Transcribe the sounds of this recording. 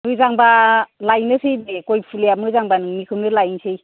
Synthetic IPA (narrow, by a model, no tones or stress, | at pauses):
mɯjzaŋbalajnɯsɯjnekojpʰulejamɯjzaŋbanɯŋmikʰɯmdɯlajnsʰɯj